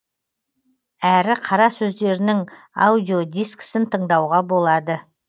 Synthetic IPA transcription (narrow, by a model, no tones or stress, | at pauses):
æɾɪqʰɑɾɑsɵzd̪e̞ɾɪnɪŋ | a̰wd̪ʲjo̞d̪ijsksɪnt̪ʰəɴd̪ɑwʁɑbo̞lˠɑd̪ə